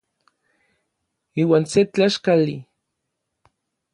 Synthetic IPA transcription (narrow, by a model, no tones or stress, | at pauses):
iːwaːnset͡ɬaʃkali